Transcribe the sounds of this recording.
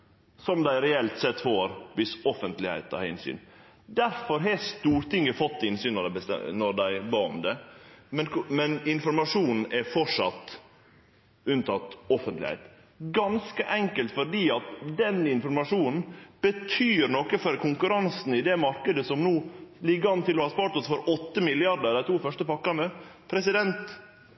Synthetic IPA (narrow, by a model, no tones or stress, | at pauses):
sɔmd̪æɪɾɛɛlt̪sɛt̪ːfoːɾʋɪsɔfənt̪lɪhæ̰ɪt̪ɑ̰ɪ̰nsy̰ːn | d̪æɾfɔɾɦeːst̪uːɾt̪ɪŋːəfɔt̪ːɪnsyːnɔd̪æɪbəst̪ɛ̰nɔɾd̪æɪbɑːɔ̰md̪ɛmɛnkmɛnɪnfɔɾmɑʂuːnn̩ɛfɔʂɑt̪ː | ʉnt̪ʰɑt̪ːɔfənt̪lɪ̰hæ̰ɪt̪ | ɡɑnskəʔɛŋkəlt̪fɔɖiːɑt̪d̪ɛnɪnfɔɾmɑʂuːnn̩b̥ət̪ʰyːɾnɔkəfɔɾkʰʊŋkʉɾɑnsn̩ɪd̪ɛmɑɾkəd̪əsɔmnuːlɪɡəɑnt̪ɪlːɔhɑspɑːɾʈ̪ɔsfɔɾɔt̪ːəmɪlɪɑɾɖəɾd̪æɪt̪ʰuːfœʂʈəpɑkːɑnəpʰɾɛsɪd̪ɛnt̪